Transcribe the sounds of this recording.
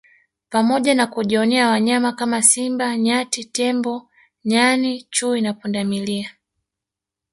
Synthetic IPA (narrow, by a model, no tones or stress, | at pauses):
pamɔʄanakuʄiɔnɛawaɲamakamasimbaɲatitɛmbɔ | ɲanit͡ʃuinapundamilia